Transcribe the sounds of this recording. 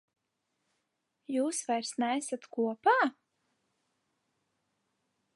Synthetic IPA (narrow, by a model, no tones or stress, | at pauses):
juːsvajɾsnæsat̪kuɔpaː